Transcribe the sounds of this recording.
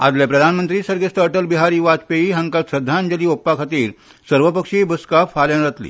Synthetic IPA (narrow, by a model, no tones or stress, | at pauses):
a̰d͡z̪ljapɾəd̪ʱanmənt̪ɾiːsəɾɡesʈəɾʈəlbiɦaɾiːʋat͡speiɦəŋkalsəd̪ʱːand͡ʑəliːopːakʰat̪iːɾ | səɾʋəpəkʂibəskafaljanɾət̪lḭː